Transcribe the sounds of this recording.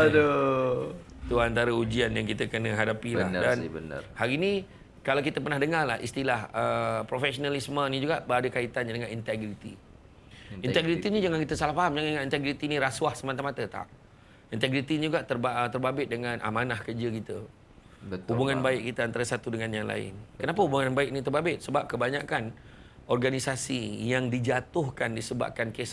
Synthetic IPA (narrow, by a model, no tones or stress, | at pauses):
də | t̪uant̪aɾaud͡ʒianjaŋkit̪əkənəɦadapila̰hdanən̰haɾinĩ | kalawkit̪əpərnahdəŋarlahḭst̪ilahəpɾofɛsonalismənĩd͡ʒuɡaʔbəɾadəkait̪ananəŋanint̪ɛɡɾit̪ḭ | it̪ɛɡɾit̪inid͡ʒaŋankit̪əsalahfaɦamd͡ʒaŋandəŋanint̪ɛɡɾit̪inĩɾaswahsəmant̪̬amat̪ət̪a̰ʔ | int̪ɛɡɾit̪inid͡ʒuɡaʔt̪ərbt̪ərbabɪt̪̚dəŋãnʔa̰manahkərd͡ʒəkit̪ə | hubuŋanbaɪʔ̚kit̪əant̪aɾasat̪udəŋanjaŋla̰ɪ̰nkənapahubuŋanbaɪk̚nit̪ərbabɪt̪̚səbap̚kəbaɲakan | ɔrɡanisasijaŋdid͡ʒat̪ʊhkandisəba̰p̚kankes